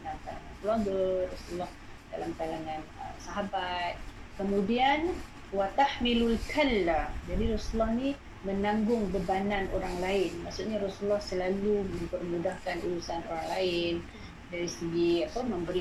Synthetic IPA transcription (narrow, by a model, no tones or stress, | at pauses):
alamkalaŋankəluwaŋɡaɾɔsuulɔh | dalamkalaŋãnəmsaɦabat̪̚kəmũdian | wat̪ahmilulkʰalːad͡ʒadiɾɔsuulɔhnĩ | mə̃nãŋɡʊŋbəbanãnʔo̰ɾaŋlaɪnma̰ʔsuʔ̪ɲaɾɔsuulːɔhsəlalumə̃mpərmũdahkanuɾusanoɾaŋlaɪn | daɾisəɡiapamə̃mbəɾi